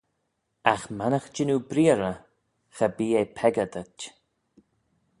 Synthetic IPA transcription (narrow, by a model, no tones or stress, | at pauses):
axmanəxd͡ʒɪnubɾiːəɾə | xəbiːepʰɛɡəd̪ət͡ʃ